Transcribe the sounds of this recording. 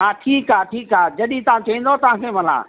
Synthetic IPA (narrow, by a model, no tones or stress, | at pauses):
aːʈʰiːkaːʈʰiːkaːd͡ʑɐɗĩt̪ɐʋ̤ãt͡ɕɐʋĩn̆d̪ot̪ɐʋ̤ãːkʰeːmɐla̰ː